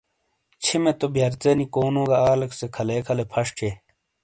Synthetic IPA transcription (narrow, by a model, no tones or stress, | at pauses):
t͡ɕʰimet̪objɐɾt͡senikoːnoːɡaaːlɐksekʰɐleːkʰɐlepʰɐʂt͡ɕʰe